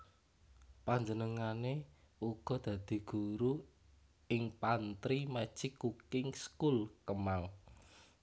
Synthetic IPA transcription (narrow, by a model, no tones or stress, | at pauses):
paɲd͡ʒənəŋane | uɡ̥ɔ̤d̪̥ä̤d̪̥i̤ɡ̥uɾu | ɪŋpant̪ɾimḁt͡ʃɪkːukɪŋskulkəmal